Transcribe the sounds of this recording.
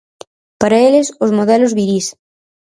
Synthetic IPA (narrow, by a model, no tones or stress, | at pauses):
paɾɐelɪsozmoðɛlʊzβiɾis